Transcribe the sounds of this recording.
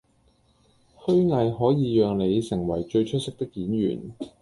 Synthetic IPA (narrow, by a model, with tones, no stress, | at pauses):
hɵ˥ɥŋɐ˧jhɔː˨˥jiː˨˧jœː˨˧ŋle˨˧jsɪ˨˩ŋwɐ˨˩jt͡ʃɵ˧ɥt͡ʃʰɵ˥t̚sɪ˥k̚t̪ɪ˥kːiː˨˥njy̰ː˨˩n